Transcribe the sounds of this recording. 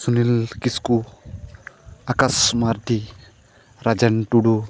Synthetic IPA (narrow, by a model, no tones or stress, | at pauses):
sunilkisku | akasmaɾd̪i | ɾad͡ʒanʈuɽu